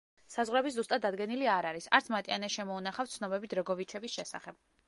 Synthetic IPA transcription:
sazʁɾɛbis̬zust̪ʼad̪ːad̪ɡɛniliaɾaɾisa̰ɾt̪sʰmat̪ʼianɛʃɛmɔunaχaft̪sʰnɔbɛbit̪ɾɔɡɔvit͡ʃʰɛbisʃɛsa̰χɛb̥

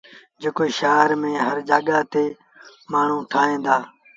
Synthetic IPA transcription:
d͡ʒeːkoiːʃaːɾmẽːɦəɾd͡ʒaːɠaːt̪eː | maːɳ̤ũːʈʰaːɦẽːd̪aː

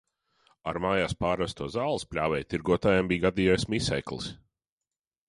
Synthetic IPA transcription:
a̰ɾmaːjaːspaːɾvɛst̪uɔzaːlˠispʲlʲaːvɛjt̪iɾɡuɔt̪aːjambiːɡad̪iːjɔːjsmisɛ̰jklˠis

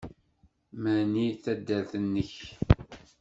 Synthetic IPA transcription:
mæniθæd̪ːælθənːəç

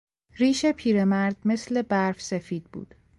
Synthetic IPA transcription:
ɾiːʃe̞pʰiːɾemæɾd̪me̞sle̞bæɾfse̞fiːd̪̥̚bṵːd̪̥

